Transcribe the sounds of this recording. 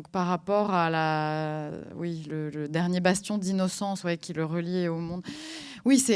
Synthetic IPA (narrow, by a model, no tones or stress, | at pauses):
kpaʁːapɔʁala | wilələd̪ɛʁnjebast̪jɔ̃d̪inɔsɑ̃swɛkʲiləʁəljɛomɔ̃d̪ | wisɛ